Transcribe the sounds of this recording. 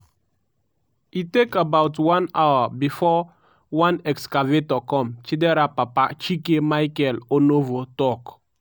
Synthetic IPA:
itekabawtwãnawabifɔ | wãnɛkskavetɔkɔ̃mt͡ʃidɛɾapapat͡ʃikemajkɛlonovotɔk

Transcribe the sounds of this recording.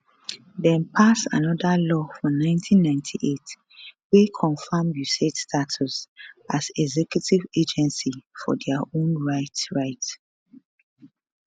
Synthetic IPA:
dɛ̃npʰasa̰nɔdalɔfɹɔnãɪ̃ntʰĩnːãɪ̃ntʰiʔet | wekʰɔ̃nfamjusetstʰatʰusʔazɛɡzɛkjutived͡ʒɛ̃nsifɔ̰dɛaõnɹaɪtɹaɪt

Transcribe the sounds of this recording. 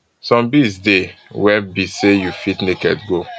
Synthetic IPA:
sɔ̃mbisdewɛbisejufitnekɛ̰tɡo

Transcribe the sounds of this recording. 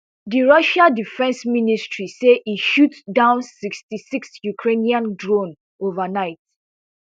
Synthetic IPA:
diɹɔʃadifɛ̃nsministɹiseʔiʃutdãʊ̃nsikstisiksjukʰɹeniãndɹõn | ovanaɪt̚

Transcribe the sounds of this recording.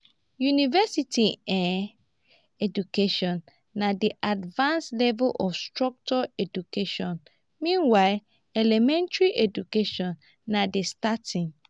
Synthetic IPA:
junivɛsitiɛ̃ | ɛdukeʃɔ̃nː | adiʔadvãnslɛvɛlʔɔfstɹɔk̚t͡ʃɔɛdukeʃɔ̃n | mĩnwaɪ | ɛlɛmɛ̃ntɹiʔedukeʃɔ̃nː | adestatʰĩŋ

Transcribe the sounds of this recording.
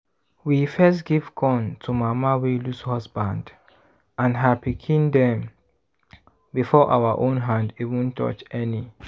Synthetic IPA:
wifɛstɡiv̥kʰɔ̃ntʰumamawilushɔsbãnd | ãnɦapikʰĩndɛ̃m | bifɔʔawaʔõnɦãndivũntʰɔ̰t͡ʃɛni

